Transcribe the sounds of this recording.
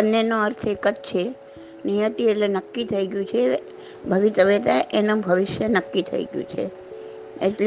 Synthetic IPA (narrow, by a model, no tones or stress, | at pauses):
ənːenoəɾt̪ʰekət̪t͡ʃʰe | nijət̪ielenəkːit̪ʰəiɡjũt͡ʃʰe | bʱəʋit̪əʋet̪aʔenəbʱəʋɪʃjənəkːit̪ʰə̰ḭɡjṵ̃t͡ʃʰḛ | eʈl